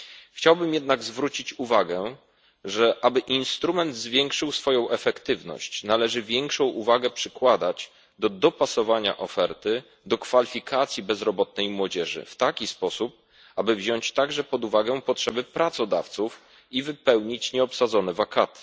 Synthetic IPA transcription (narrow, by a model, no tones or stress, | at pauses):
xt͡ɕawbɘmjɛd̪naɡzvɾut͡ɕit͡ɕuvaɡɛ | ʐɛʔabɘʔinst̪ɾumɛnd̪zvʲjɛŋkʂɘwsfɔjɔ̃w̃ʔɛfɛkt̪ɘvnɔ̰ɕt͡ɕnalɛʐɘvʲjɛŋkʂɔ̃w̃ʔuvaɡɛpʂɘkwad̪at͡ɕ | d̪ɔd̪ɔpasɔvaɲa̰ʔɔfɛɾt̪ɘ | d̪ɔkfalʲifʲikʰat̪sʲjibɛzɾɔbɔt̪̚nɛjmwɔd͡ʑɛʐɘ̰ft̪akʲispɔsup̚ | abɘvʑɔɲt͡ɕt̪aɡʐɛpɔd̪uvaɡɛpɔtʂɛbɘpɾat̪sɔd̪aft̪suf | ivɘpɛwɲit͡ɕɲɛɔpsad̪zɔnɛvakat̪ɘ̥